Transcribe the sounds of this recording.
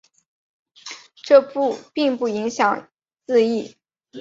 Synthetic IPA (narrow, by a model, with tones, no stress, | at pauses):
ʈ͡ʂɤ˥˧pu˥˧pi˥˧ŋpu˥˩i˧˥ŋɕjɑ˨˩ŋ | t͡sɹ̩˥˧i˥˩